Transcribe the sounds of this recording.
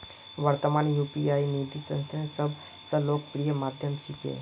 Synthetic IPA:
ʋəɾt̪əmaːnjuːpiaːinid̪ʱisə̰̃nst̪ʰesɐb | səbloːɡpɾijəmaːd̪ʱjəmt͡ʃʰɪkḛː

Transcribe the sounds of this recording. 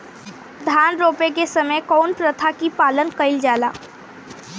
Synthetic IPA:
d̪ʱanɾopek̬esəməjkɔwnpɾət̪ʰakipalənkəɪld͡ʒala

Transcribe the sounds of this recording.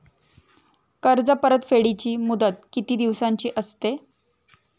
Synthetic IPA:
kəɾd͡zəpəɾət̪feɽit͡ɕiːmud̪ət̪̚kit̪iːd̪iʋsaɲt͡ɕiːʔəst̪e

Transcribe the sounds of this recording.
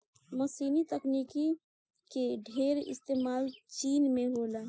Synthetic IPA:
məsiːnit̪əkniːki | keɖʱeːɾɪ̰st̪eːmaːlt͡ʃiːnmẽɦoːlaː

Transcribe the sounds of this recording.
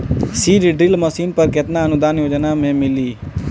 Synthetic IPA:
siːɖɖɾɪlməsiːnpəɾkɪt̪naənʊd̪aːnjoːd͡ʒnamẽːmɪliː

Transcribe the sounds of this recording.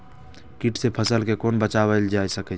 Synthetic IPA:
kiʈsepʰəsəlkekoːnbət͡ʃawəld͡ʒajsəkɛ

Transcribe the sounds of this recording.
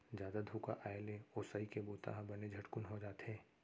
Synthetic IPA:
d͡ʒjaːd̪ad̪ʱuːka̰ʔaːeleoːsaːikeboːt̪a̰ɦãbɐned͡ʒʱɐʈkʊnɦod͡ʒaːt̪ɦɛ̃ː

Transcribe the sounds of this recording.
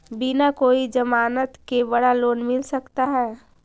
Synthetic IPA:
binakoːid͡ʒəmaːnət̪kebəɽaloːnmɪlsəkt̪aɦɛː

